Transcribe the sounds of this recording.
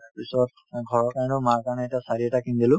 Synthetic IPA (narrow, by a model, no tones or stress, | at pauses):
aɹpisɔt | ɡʱɔɹɔkajnɔmaɹkanɛɛtasaɹiɛtakindilʊ̃